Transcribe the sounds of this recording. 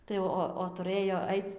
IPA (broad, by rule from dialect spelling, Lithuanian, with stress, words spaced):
ˈtɐɪ ˈoː oː tʊˈrɘjoː ˈɐɪt͡s